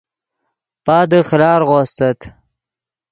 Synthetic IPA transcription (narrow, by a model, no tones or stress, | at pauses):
pɑːd̪əxlɑːɾɣoːst̪ɐt̪